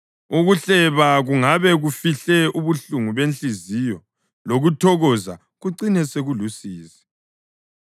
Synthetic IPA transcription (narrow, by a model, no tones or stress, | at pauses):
uɣuɬɛβaɣuŋaβɛɣufiɬɛuβuɬuŋuβent͡ɬʼizijɔ | loɣutʰɔɣɔza̰ | ɣuǀinɛseɣulusiːsɛ̥